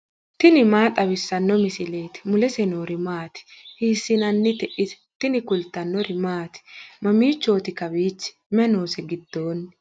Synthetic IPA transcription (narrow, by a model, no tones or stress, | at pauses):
t̪ɪnɪmaːt̪ʼɐβɪsːɐnːɔmɪsɪleːt̪ɪ̥mʊlɛsɛnoːɾɪmaːt̪ɪ̥hiːsːɪnɐnːɪt̪ɛʔɪt̪ | t̪ɪnɪkʊlt̪ːɐnːɔɾɪmaːt̪ɪ̥mɐmiːt͡ʃːo̞ːt̪ɪkɐbiːt͡ʃːɪ̥ | mɛno̞ːsɛɡɪd̪ːo̞ːnː